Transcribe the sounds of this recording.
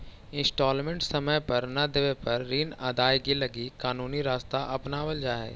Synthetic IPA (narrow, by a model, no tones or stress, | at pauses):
ɪ̃nsʈɔːlmẽɳʈsɐməjpɐɾnɐd̪eʋepɐɾːiːnaːd̪aːjɡilɐɡikaːnuːniɾaːst̪aʔɐpnaːʋəld͡ʒaːɦḛː